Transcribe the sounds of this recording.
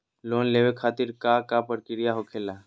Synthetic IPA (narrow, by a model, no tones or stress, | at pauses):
loːnleːʋekʰaːt̪ɪɾkakapəɾkɪɾijaɦokʰela